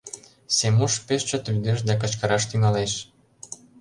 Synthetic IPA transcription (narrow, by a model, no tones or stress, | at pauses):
semuʃpeʃt͡ɕə̆t̪lyd̪eʃ̬d̪æk̬ə̆t͡ɕkɤ̆ɾɑʃt̪yŋɑleʃ